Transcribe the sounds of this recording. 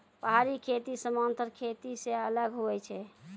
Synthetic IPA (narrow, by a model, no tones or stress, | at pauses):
pəɦaɾikʰet̪isəmant̪əɾkʰet̪iseələɡɦoɛt͡ʃʰɛ